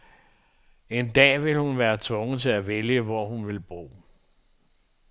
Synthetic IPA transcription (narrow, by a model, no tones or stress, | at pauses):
e̝nd̥ɛ̰ːʋe̝lhunʋæːɐt͡sʰɔ̽ŋð̩ˠt͡sʰe̝læʋeljəʋɒhunʋe̝lb̥ʁo̝̰ː